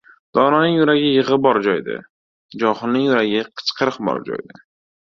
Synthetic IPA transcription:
d̪̥ɒnɒnɪjʊɾaɡʲɪjɪʁɨbɒɾd͡ʒɒjd̪ɪ̰ | d͡ʒɒχɨnɪjʊɾaɡʲɪqʰɨ̥t͡ʃqʰɨɾɨqbɒ̰ɾd͡ʒɒ̰jd̪ɪ

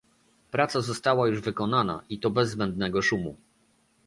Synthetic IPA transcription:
pɾat̪sazɔst̪awajuʐvɘkɔnana̰ʔit̪ɔbɛzːbɛnd̪nɛɡɔʂumṵ

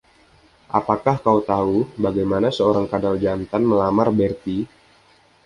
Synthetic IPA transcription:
ʔapakahkaut̪aubaɡajmanasəoɾaŋkadald͡ʒant̪anməlamarbɛrt̪i

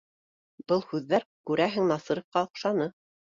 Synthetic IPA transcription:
bɤlˠhʉðːæɾkʉɾæɦɘ̆ŋnɑsɤɾŏfqɑŏqʃɑnɤ

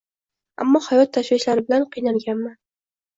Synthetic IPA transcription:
a̰mːɒhajɒt̪ʰːaʃvɪʃlaɾɪbɪlanqɨjnaŋɡʲanma

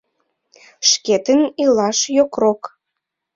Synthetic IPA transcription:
ʃket̪ənilɑʃjokrok

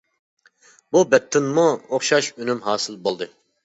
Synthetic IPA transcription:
bubɛt̪ʰːɪnmuoχʃɑʃynymɦɑːsɨlˠbolˠd̪ɨ

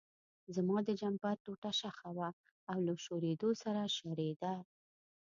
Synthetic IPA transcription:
zamɑd̪əd͡ʒampaɾt̪oʈaʃaxawaː | wlaʃoɾed̪osaɾaʃaɾed̪a

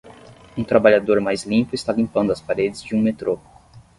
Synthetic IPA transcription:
ũt̪ɾabaʎad̪oɾmajzlĩpʊɪst̪alĩmpɐ̃nd̪ʊɐspaɾed͡ʒɪzd͡ʒɪũmet̪ɾo

